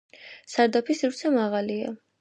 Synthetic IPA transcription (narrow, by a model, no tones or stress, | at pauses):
saɾd̪apʰisiɾsʰɛmaʁalia̰